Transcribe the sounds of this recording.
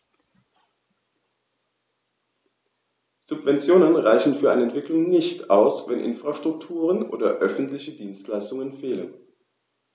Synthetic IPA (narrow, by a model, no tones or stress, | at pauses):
z̥ʊpvɛnt͡sjoːnənʁaɪçn̩fyːɐʔaɪnəɛntv̥ɪklʊŋnɪçtaʊsvɛnʔɪ̰nfʁ̥aʃtʁ̥ʊk̚tʰuːʁənʔo̰ːdɐ̰ʔœfn̩tlɪçədiːnstlaɪstʊŋənfeːlə̰n